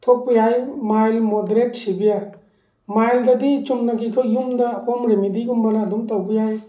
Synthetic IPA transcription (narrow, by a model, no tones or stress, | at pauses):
tʰɔpːujajmajlmodɾetsibija | majldadit͡ʃumnaɡikʰɔjumdakɔmɾemidiɡumbanaːdumtawbijaj